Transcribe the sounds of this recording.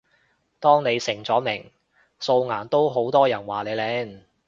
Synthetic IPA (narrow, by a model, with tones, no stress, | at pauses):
t̪ɔː˥ŋne˨˧jsɪ˨˩ŋt͡sɔː˨˥mɪ˨˩ŋ | so˧wŋaː˨˩nt̪o˥wɦo˨˥wt̪ɔː˥jɐ˨˩nwaː˨˩le˨˧jlɛː˨˥ŋ